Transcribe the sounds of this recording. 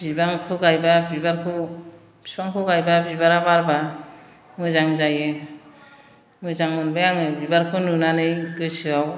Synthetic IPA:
bibaŋkʰɯɡajbabibaɾkʰɯ̥ | spaŋkʰɯɡajbabibaɾabaɾba | mɯzaŋzajɯ | mɯzaŋmɯnbɯjaŋɯbibaɾkʰɯnunanɯjɡɯjsɯaw

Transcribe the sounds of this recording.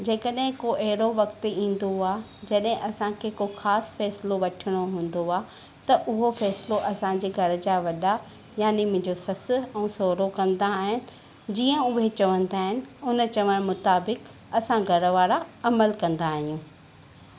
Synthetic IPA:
d͡ʑeːkəɗɦɪ̃koʔɛɦɪɾoʋɐkt̪ĩːn̆d̪oaː | d͡ʑɐɗɦɪ̃ʔɐsãkʰeːkoxaːsfɛːsɪloʋɐʈʰɪɽ̃oɦũːn̆d̪oaː | t̪ɐʔʊɦofɛːsɪloʔɐsãd͡ʑeːɡʱɐɾd͡ʑaʋɐɗa | jaːnimʊ̃ɦɪ̃ɲd͡ʑosɐsɛ̃ːsoːɾokɐ̃nd̪aːɦɪnɪ̆ | d͡ʑiːə̃ʊɦet͡ɕɐʋə̃nd̪aːɦɪnɪ̆ʊnt͡ɕɐʋəɽ̃mʊt̪aːbɪk | ɐsãɡʱɐɾʋaːɾaɐməlkɐ̃nd̪aːɦijũː

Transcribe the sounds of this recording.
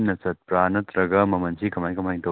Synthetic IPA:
nɐsɐt̪̚pɾaːnɐt̪ɾɐɡɐmɐmɐnsʰikɐmajkɐmajŋt̪ɐ

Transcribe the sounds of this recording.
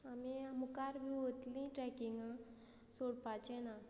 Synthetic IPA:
amiamukaɾbʱiʋot̪lĩʈɾɛkiŋɡ | soɽpat͡ɕɛ̃na

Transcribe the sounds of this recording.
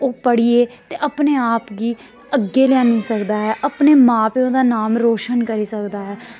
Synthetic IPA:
oːpəɽieːt̪eːʔəpneːaːpɡiː | əɡːeːlɪjãːnĩːsəkd̪aːɦɛːʔəpneːmãːpeːõːd̪aːnaːmɾoːʃənkəɾiːsəkd̪aːɦɛː

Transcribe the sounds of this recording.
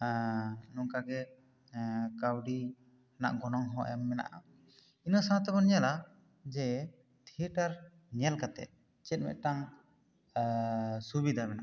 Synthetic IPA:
nɔŋkaɡɛ | kawɖi | ana̰ʔɡɔnɔŋɦɔ̃ɛmːɛna̰ʔa | inɔsawat̪abɔnala | d͡ʒɛ | t̪ʰiəʈaɾ | ɲalkat̪ɛ̰t̪̚ | t͡ʃɛt̪̚ˀmɛ̰ʔʈaŋ | subid̪ʱamɛnaʔ

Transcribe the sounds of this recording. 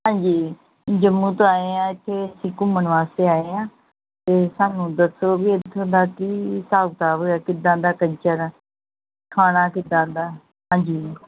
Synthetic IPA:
ɦãːɲd͡ʒiː | d͡ʒəmːũːt̪oːaːeːãːɪt̪ʰːeːsĩːkʊməɳʋaːst̪eːaːeːãː | t̪eːsaːnũːd̪əsoːbiːet̪ʰːõːd̪aːk̪iːsaːɡt̪aːɦoːaːkɪd̪ãːd̪aːkəɲt͡ʃəɾ | kʰaːɽ̃aːkɪd̪ãːd̪aː | ɦãːɲd͡ʒiː

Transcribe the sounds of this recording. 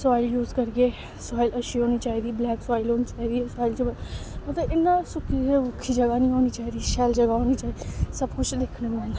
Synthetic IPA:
saːɪljuːzkəɾɡeː | sʊaːɪləʃiːɦoːñiːt͡ʃaːiːd̪iːblɛːksaːɪloːniːt͡ʃaːiːd̪iːsaːɪlt͡ʃebəət̪ẽʔɪnːãːsʊkʰːieʊkʰːiːd͡ʒəɡaːnĩːɦoːniːt͡ʃaːiːd̪iːʃɛːld͡ʒəɡaːɦoːniːt͡ʃaːid̪isəbkʊt͡ʃʰd̪eːkʰnemãːnd̪a

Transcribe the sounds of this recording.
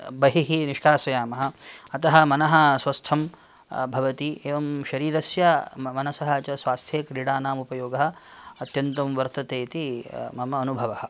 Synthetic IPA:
bɐɦiɦiniʃkaːsɐjaːmɐɦɐ̆ɐt̪ɐɦɐ̆mɐnɐɦɐ̆sʋɐst̪ʰɐm | bʱɐʋɐt̪ieːʋɐmʃɐɾiːɾɐsjɐmɐnɐsɐɦɐt͡ʃɐsʋaːst̪ʰjeːkɾiɽaːnaːmupɐjoːɡɐɦɐ̆ | ɐt̪jɐnt̪ɐmʋɐɾt̪ɐt̪eːt̪imɐmɐɐnubʱɐʋɐhɐ̆

